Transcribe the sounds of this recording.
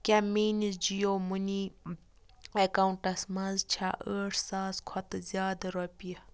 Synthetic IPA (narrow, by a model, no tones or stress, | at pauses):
kʲamiːnisd͡ʒijomuni | ekauɳʈɐsmɐzt͡ʃʰa̰ʔəːʈʰsaːskʰɐt̪ɨzjaːd̪ɐɾɐpijɐ